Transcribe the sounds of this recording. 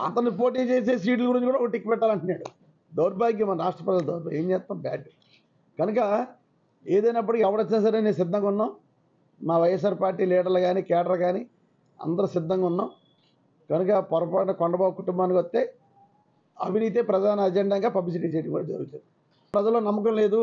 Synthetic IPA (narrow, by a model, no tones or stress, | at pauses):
ɐ̰t̪̬ɐnpo̞ːʈ̬iːt͡ʃeːs̬e̞ːs̬iːʈ̬luɡuɾiɲt͡ʃikuːɽaokːɐʈikːipɛʈːaːlɐɳʈunːaːɽu | d̪ɐwɾbaːɡimɐnɐɾaːʂʈɾɐpɾɐd͡ʒɐld̪ɐwuɾba̰e̞ːɲd͡ʒɛːt̪ːnaːmbaːʈu | kɐnukɐ | eːd̪ɐjnɐp̬ːɐɽikɛʋɐɽɐt͡ʃːinaːs̬ɐɾeːneːns̬ɪd̪ːɐŋkːɐunːaːm | naːʋɐjes̬aːɾpaːɾʈːiːliːɖɐɾlɐɡaːnikɛːɖɐɾɡaːni | ɐ̰nd̪ɐɾɐsɪd̪ːɐŋɡunːaːm | kɐnukɐpɐɾɐpɐnɐkɔɳɖɐbaːbkuʈumbaːnikʋɐst̪ːe̞ː | ɐ̰bʱiniːt̪̬epɾɐd̪aːnɐːd͡ʒeɳɖaːŋɡaːpɐblis̬iʈ̬isiːʈɡud͡ʒɐɾuɡut͡ʃːaːɾ | pɾɐd͡ʒɐlːoːnɐmːɐkɐmle̞ːd̪u